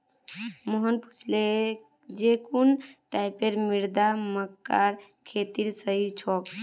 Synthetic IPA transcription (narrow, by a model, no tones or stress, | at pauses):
məɦənpu̥t͡ʃʰle | d͡ʒekunʈaipeɾmiɾd̪aməkːaɾ | kʰet̪iɾsəɦit͡ʃʰɔk